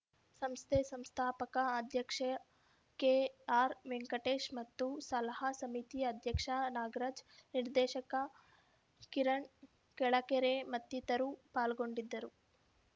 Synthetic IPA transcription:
sɐmst̪ʰesɐmst̪ʰaːpɐkɐːd̪ʱjɐkʂɐ | keːaːɾʋeŋkɐʈeːʃmɐt̪ːusɐlɐɦɐsɐmit̪iɐd̪ʱjɐkʂɐnaːɡɾɐd͡ʒniɾd̪ɛːʃɐkɐ | kiɾɐɳ | kɛɭɐkɛɾemɐt̪ːit̪ɐɾupaːlɡo̞ɳɖid̪ːɐɾu

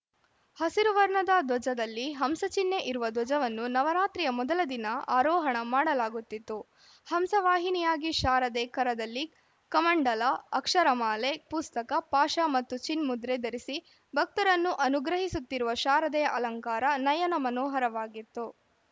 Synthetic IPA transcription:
hɐsiɾuʋɐɾɳɐd̪ɐd̪wɔd͡ʒɐd̪ɐlːiɦɐmsɐt͡ʃinːe̞ʔiɾuʋɐd̪wɔd͡ʒɐʋɐnːunɐʋɐɾaːt̪ɾijɐmɔd̪ɐlɐd̪inɐaːɾɔːɦɐɳɐmaːɽɐlaːɡut̪ːit̪ːu | hɐmsɐʋaːɦinijaːɡiʃaːɾɐd̪ɛːkɐɾɐd̪ɐlːi | kɐmɐɳɖɐlɐːɐkʂɐɾɐmaːle̞pust̪ɐkɐpaːʃɐmɐt̪ːut͡ʃinmud̪ɾed̪ɐɾisi | bʱɐk̚t̪ɐɾɐnːuʔɐnuɡɾɐɦisut̪ːiɾuʋɐʃaːɾɐd̪ɛjɐʔɐlɐŋkaːɾɐnɐjɐnɐmɐnɔːɦɐɾɐʋaːɡit̪ːu

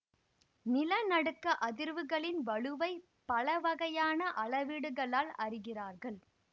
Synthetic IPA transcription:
nɪlɐnɐɽɯkːɐʔɐðɪɾʋɯɣɐɭɪnʋɐɻɯʋɐɪ | pɐɭɐʋɐɣɐjaːnɐʔɐɭɐʋiːɽɯɣɐɭaːlɐrɪɣɪraːɾɣɐɭ

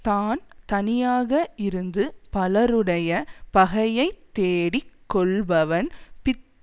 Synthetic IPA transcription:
t̪aːnt̪ɐnɪjaːɣɐʔɪɾɯnd̪ɯpɐlɐɾɯɽɐjɐpɐɣɐjɐɪt̪ːeːɽikːɔɭbɐʋɐnpɪt̪ː

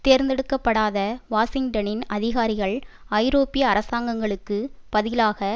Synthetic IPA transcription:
t̪eːɾnd̪ɛɽɯkːɐpːɐɽaːðɐʋaːsɪŋɡʈɐnɪnɐðɪɣaːɾɪɣɐɭɐɪɾoːpɪjɐːɾɐsaːŋɡɐŋɡɐɭɯkːɯpɐðɪlaːɣɐ

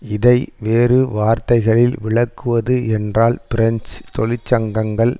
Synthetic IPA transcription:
ɪðɐɪʋeːrɯʋaːɾt̪ɐɪɣɐɭɪlʋɪɭɐkːɯʋɐðɯɛndraːlpɪɾɛɲst̪ɔlɪt͡ʃːɐŋɡɐŋɡɐɭ

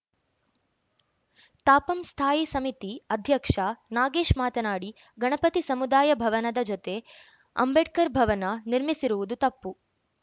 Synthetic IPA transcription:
t̪aːpɐmst̪ʰaːjisɐmit̪iɐd̪ʱjɐkʂanaːɡeːʂmaːt̪ɐnaːɽi | ɡɐɳɐpɐt̪isɐmud̪aːjɐbʱɐʋɐnɐd̪ɐd͡ʒot̪e̞ | ɐ̰mbeɖ̚kɐɾbʱɐʋɐnɐniɾmisiɾuʋud̪ut̪ɐpːu

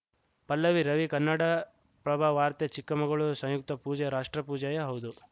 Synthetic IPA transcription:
pɐlːɐʋiɾɐʋikɐnːɐɽɐ | pɾɐbʱaʋaːɾt̪et͡ʃikːɐmɐɡɐɭusɐ̃ŋjuk̚t̪ɐpuːd͡ʒɐɾaːʂʈɾɐpuːd͡ʒɐjɐɦɐwd̪u

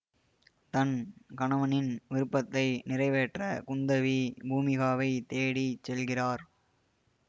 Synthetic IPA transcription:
t̪ɐnkɐɳɐʋɐnɪnʋɪɾɯpːɐt̪ːɐɪnɪrɐɪʋeːʈrɐkʊnd̪ɐʋibʱuːmɪɣaːʋɐɪt̪eːɽit͡ʃːɛlɣɪraːɾ

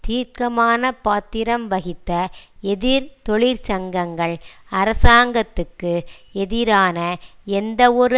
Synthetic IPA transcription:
t̪iːɾkɐmaːnɐpaːt̪ːɪɾɐmʋɐɣɪt̪ːɐɛðɪɾt̪ɔɭɪɾt͡ʃɐŋɡɐŋɡɐɭɐɾɐsaːŋɡɐt̪ːɯkːɯɛðɪɾaːnɐɛnd̪ɐɔɾɯ

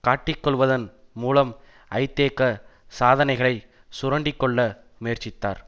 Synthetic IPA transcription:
kaːʈːɪkːɔɭʋɐðɐnmuːlɐm | ɐɪt̪ːeːkːɐ | saːðɐnɐɪɣɐɭɐɪ | sʊɾɐɳɖɪkːɔɭːɐ | meːrt͡ʃɪt̪ːa̰ːɾ

